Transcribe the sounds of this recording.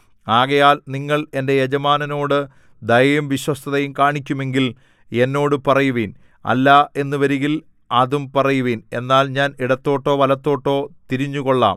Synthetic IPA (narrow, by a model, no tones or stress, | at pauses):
aːɣɐjaːlniŋːɐɭe̞nde̞jed͡ʑɐmaːnɐno̞ːɽɨ | d̪ɐjɐjumʋiɕwɐst̪ʰɐðɐjumkaːɳikʲːume̞ŋɡil | e̞nːo̞ːɽɨpɐrɐjuʋiːn | ɐ̰lːɐe̞nːɨʋɐɾiɣil | ɐðumpɐrɐjuʋiːne̞nːaːlɲaːniɽɐt̪ːo̞ːʈːo̞ːʋɐlɐt̪ːo̞ːʈːo̞ːt̪iɾiɲːuɣo̞ɭːa̰ːm